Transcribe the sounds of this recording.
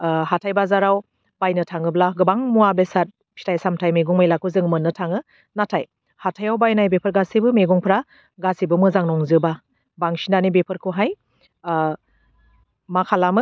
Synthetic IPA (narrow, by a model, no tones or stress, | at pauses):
hatʰajbazaɾaw | b̥ajnɯtʰaŋɯblaɡɯbaŋmuabesat̚ | pʰi̥tʰajsamtʰajmeɡuŋmajlakʰuzɯŋmɯnːɯtʰaŋɯ | natʰaj | hatʰajawbajnajbepʰəɾɡasibɯmeɡuŋpʰɾa | ɡasibɯmɯzaŋnɔŋzɯba | baŋsinanibepʰɯɾkʰuɦaj | makʰalamɯ